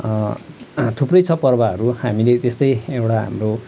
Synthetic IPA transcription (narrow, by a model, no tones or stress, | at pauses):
t̪ʰuprʌjt͡sʰʌpʌrbaʌɾuhamilet̪est̪ʌjewʈaɦa̰mro